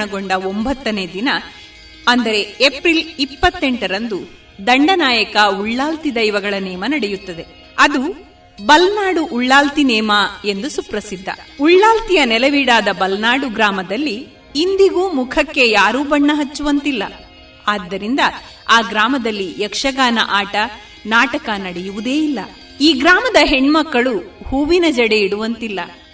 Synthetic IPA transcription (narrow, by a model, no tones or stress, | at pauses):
ɳɐɡo̞ɳɖɐo̞mbɐt̪ːɐneːd̪inɐ | ɐnd̪ɐɾe̞epɾilipːɐt̪ːe̞ɳʈɐɾɐnd̪u | d̪ɐɳɖɐnaːjɐkɐuɭːaːlt̪id̪ɐjiʋɐɡɐɭɐnɛːmɐnɐɽejut̪ːɐd̪e̞ | ɐd̪u | bɐlnaːɽuʔuɭːaːlt̪inɛːmɐe̞nd̪usupɾɐsid̪ʱːɐ̰uɭːaːlt̪ijɐnɛlɐʋiːɽaːd̪ɐbɐlnaːɽuɡɾaːmɐd̪ɐlːiː | nd̪iɡuːmukʰɐkːe̞jaːɾuːbɐɳːɐɦɐt͡ʃːuʋɐnt̪ilːɐ̰ | aːd̪ːɐɾind̪ɐ | aːɡɾaːmɐd̪ɐlːijɐkʂɐɡaːnɐ̰ʔaːʈɐ | naːʈɐkɐnɐɽejuʋud̪e̞ːilːɐ̰ | iːɡɾaːmɐd̪ɐɦeɳmɐkːɐɭuhuːʋinɐd͡ʒɐɽe̞iɽuʋɐnt̪ilːɐ̰